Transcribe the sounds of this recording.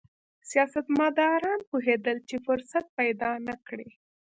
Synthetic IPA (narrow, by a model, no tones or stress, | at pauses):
sijɑsat̪mɑd̪ɑɾɑnpoɦed̪əlt͡ʃefʊɾsat̪̚pajd̪ɑnakɽe